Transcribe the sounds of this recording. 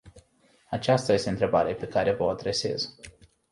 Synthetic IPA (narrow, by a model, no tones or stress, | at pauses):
at͡ʃast̪aje̞st̪eɨnt̪ɾebaɾepe̞kaɾe̞vəoad̪ɾe̞se̞̰z